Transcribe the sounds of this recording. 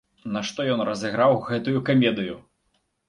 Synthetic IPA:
naʂt̪ɔjɔnrɐzʲɛɣɾawɣɛt̪ujukamʲɛd̪ɨju

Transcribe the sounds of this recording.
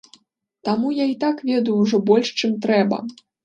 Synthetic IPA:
t̪amujait̪akvʲɛd̪ujuwʐɔbɔlʲʂt͡ʂɨmt̪ɾɛbɐ̰

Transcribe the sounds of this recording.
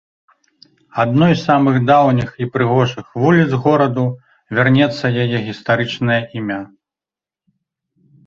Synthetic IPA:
ad̪nɔjssamɨɣd̪awnʲixipɾɨɣɔʐɨxvulʲid̪zɣɔɾɐd̪u | vʲarnʲɛt̪sːɐjajɛɣʲist̪aɾɨt͡ʂnɐjɐʔimʲa

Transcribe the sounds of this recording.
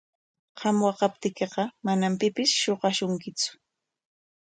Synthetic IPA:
qʰɑmwɑqɑp̚t̪ɪkeqɑmanampɪpɪsʃoɢɑʃʊŋkɪt͡sʊ̥

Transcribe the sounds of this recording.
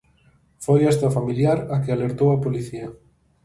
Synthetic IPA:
fojɛst̪ɐfamiljaɾɐkɪaleɾt̪owɐpoliθiɐ

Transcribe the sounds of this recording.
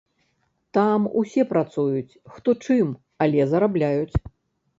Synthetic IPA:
t̪amṵsʲɛpɾat̪sujut͡sʲxt̪ɔt͡ʂɨm | alʲɛzɐɾablʲajut͡sʲ

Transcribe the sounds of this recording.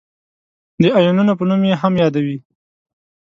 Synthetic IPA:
d̪əajununopənumjeɦamjɑd̪awi

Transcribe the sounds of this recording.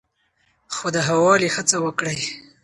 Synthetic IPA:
xod̪əɦawɑlixət͡sawəkɽaj

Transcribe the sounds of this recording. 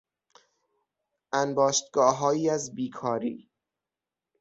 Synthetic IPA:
ʔænbɒːʃt̪ɡɒːɦɒːjiːæzbiːkʰɒːɾḭː

